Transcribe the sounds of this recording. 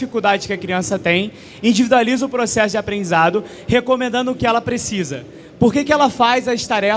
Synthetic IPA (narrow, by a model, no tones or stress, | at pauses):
fikuwd̪ad͡ʒɪʃkɪɐkɾiɐ̃sɐt̪ẽj̃ | ĩd͡ʒivid̪ualizɐʊpɾosɛsʊd͡ʒɪapɾẽd͡ʒizad̪ʊ | hekõmẽnd̪ɐ̃nd̪ʊːkɪɛlɐpɾesizɐ̰ | poɾkekɪɛlɐfajzɐst̪aɾɛ